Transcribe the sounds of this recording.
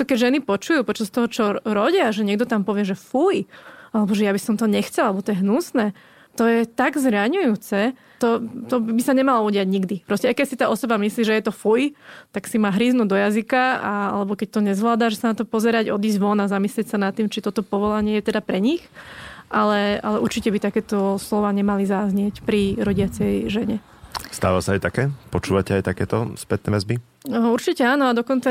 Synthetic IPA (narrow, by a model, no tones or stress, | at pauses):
t̪ɔkɛɟʒɛnipɔt͡ʃujuːpɔt͡ʃast̪ɔɦɔt͡ʃɔɾɔɟɪaʒɛɲɪɛɡ̚d̪ɔt̪ampɔʋɪɛʒɛfujalɛbɔʒɛjabisɔmt̪ɔɲɛxt͡sɛlalɛbɔt̪ɔjɛɦnusnɛː | t̪ɔjɛt̪aɡzɾaɲujuːt͡sɛ | t̪ɔt̪ɔbbisaɲɛmalɔuɟɪaɟɲiɡd̪ipɾɔscɛajkɛsit̪aːʔɔsɔbamisliːʒɛjɛt̪ɔfujt̪aksimaːɦɾiːznuːd̪ɔjazikaa̰a̰lɛbɔkɛc̚t̪ɔɲɛzʋlaːd̪aʒɛsanat̪ɔpɔzɛɾaɟɔd̪iːzʋɔnazamislɪɛcsanat̪ːiːmt͡ʃit̪ɔt̪ɔpɔʋɔlaɲɪɛjɛt̪ɛd̪apɾɛɲixʔalɛalɛʔuɾt͡ʃicɛbit̪akɛːt̪ɔslɔʋaːɲɛmalizaːzɲɪɛcpɾiɾɔɟɪat͡sɛjʒɛɲɛ | st̪a̰ːʋasaajt̪akɛːpɔt͡ʃuːʋacɛajt̪akɛːt̪ɔspɛt̪̚nɛːʋɛzbi | uɾt͡ʃicɛaːnɔad̪ɔkɔnt͡sa